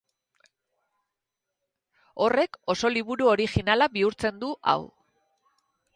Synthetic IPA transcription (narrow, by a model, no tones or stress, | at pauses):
o̞re̞ko̞so̞liβuɾuo̞ɾixinalaβiuɾt͡se̞nd̪uʔa̰w